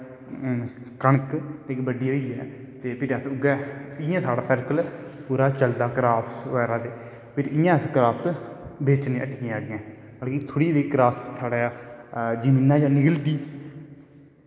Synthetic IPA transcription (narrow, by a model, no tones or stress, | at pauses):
kəɳəkt̪ekbəɖiːɦoːiːɛ̰ː | t̪eːpʰɪɾəsʊɡɛːɪjãːsaːɽaːsəɾkəlpuːɾaːt͡ʃəld̪aːkəɾaːpʰsʋɛːɾãːd̪eː | pʰɪɾɪjãːskəɾaːpsbeːt͡ʃnẽːəʈɡĩaːɡɛ̃ː | bəlkit̪ʰoːɽiːd̪iːkɾaːssaːɽaː | d͡ʒəmiːnaːd͡ʒãːnɪɡəld̪iː